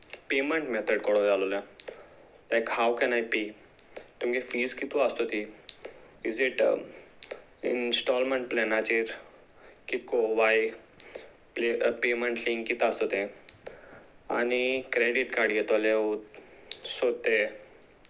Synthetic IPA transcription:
peməɳʈmɛt̪ʰəɖkɔɽod͡zalolẽ | lajkhawkɛ̃najpi | t̪umɡefiːzkit̪uast̪ot̪i | iziʈ | ḭnsʈɔlməɳʈ̚plɛnat͡ɕiɾ | kit̪̚koʋaj | plepeməɳʈlĩŋɡkit̪ast̪ot̪ẽ | a̰nikɾeɖiʈkaɽjɛt̪ɔleo | sod̪̚t̪e

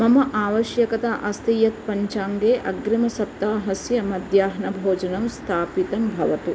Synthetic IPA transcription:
mɐmɐʔaːʋɐʃjɐkɐt̪aʔɐst̪ijɐt̪̚pɐɲt͡ʃaːŋɡeːʔɐɡɾimɐsɐp̚t̪aːɦɐsjɐmɐd̪jaːɦɐnɐbʱoːd͡ʒɐnɐmst̪ʰaːpit̪ɐmbʱɐʋɐt̪u

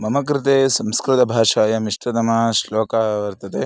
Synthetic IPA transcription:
mɐmɐkɾɪt̪eːsɐmskɾɪt̪ɐbʱaːʃaːjɐmiʂʈɾɐt̪ɐmɐʃloːkaʋɐɾt̪ɐt̪e

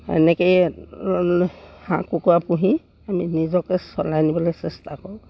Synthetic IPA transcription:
ɛ̰nɛkɔj | hã̰kukɔapuɦĩ | aminizɔkɛsɔlajnibɔlɔjsɛstʰakɔɹʊ̃

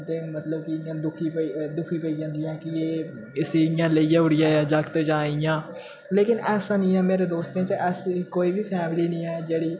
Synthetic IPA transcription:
t̪eːmət̪ləbkɪãːd̪ʊkʰiːpəd̪ʊkʰiːpəiːd͡ʒãːnd̪ijãːkɪeː | ɪseɪjãːləijãːʊɽɪjãːjãːd͡ʒakt̪ːd͡ʒãːɪjãː | leːkɪnɛːsãːnĩːɛ̃ːmeːɾeːd̪oːst̪ẽːt͡ʃeʔɛskoːiːbiːpʰɛːmliːnĩːɛːd͡ʒeːɽiː

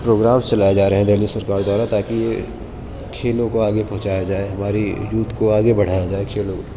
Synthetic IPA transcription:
pɾoːɡɾaːmst͡ʃɐlaːjed͡ʒaːɾɐɦɛ̃d̪eːlisəɾkaːɾd̪waːɾat̪aːkije | kʰeːlõkoaːɡepɐ̃ɦʊ̃t͡ʃaːjad͡ʒaːeɦɐmaːɾijuːt̪ʰkoaːɡebɐɽ̤aːjad͡ʒaːekʰeːlõko

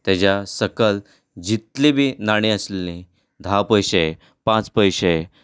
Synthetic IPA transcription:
t̪jad͡ʑasəkəl | d͡ʑit̪libʱiːnaɽ̃ĩəslelĩ | d̪ʱapəjɕe | pãt͡spəjɕe

